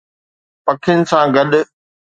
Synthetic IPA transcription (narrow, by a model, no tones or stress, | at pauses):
pɐkʰɪnɪ̆sãɡɐɗ